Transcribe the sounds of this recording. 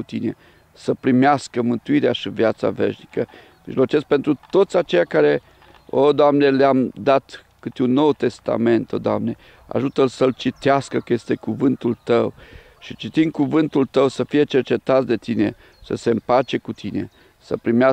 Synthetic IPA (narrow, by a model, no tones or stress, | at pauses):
ut̪ine̞̰ | səpɾimeaskəmɨnt̪uiɾeaʃivjat̪sa̰ve̞̰ʃnikə | mḭʒlo̞t͡ʃe̞sk̚pe̞nt̪ɾut̪o̞t̪sʲat͡ʃe̞jakaɾe̞ | od̪oamne̞leamd̪at̪ | kɨt̪eunːo̞wt̪e̞st̪a̰me̞nt̪od̪oamne̞ | a̰ʒut̪əlsəlt͡ʃit̪easkəkəje̞st̪e̞kuvɨnt̪ult̪əw | ʃit͡ʃit̪iŋkuvɨnt̪ult̪əwsəfije̞t͡ʃe̞rt͡ʃe̞t̪at̪sʲd̪e̞t̪ine̞̰ | səse̞ɨmpat͡ʃe̞kut̪ʰine̞̰ | sə̰pɾimea